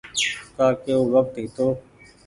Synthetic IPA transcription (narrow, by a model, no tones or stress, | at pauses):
t̪aːkeoːʋək̚t̪eːt̪oː